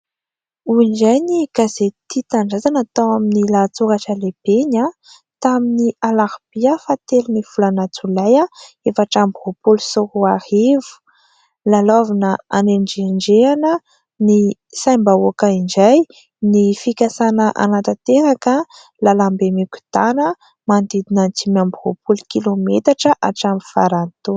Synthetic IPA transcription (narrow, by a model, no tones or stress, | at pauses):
uind͡ʒajniɡ̥azet̪it̪aɳɖ͡ʐazanat̪awaminilat͡suɾaʈ͡ʂəleb̥eɲa | t̪aminialaɾb̥iəfat̪eluniv̥ulanat͡sulaja | efaʈ͡ʂambɦopulusoɾuaɾievu̥ | lalovinəaneɳɖ͡ʐeɳɖ͡ʐeanə | nisajmbaokaiɳd͡ʒaj | nifikʲasanəʔa̰nat̪ət̪eɾakə | lalambemikʲu̥t̪anə | mand̪id̪inant͡simambiɦopulukilomet̪aʈ͡ʂəʔaʈ͡ʂambi̥faɾant̪o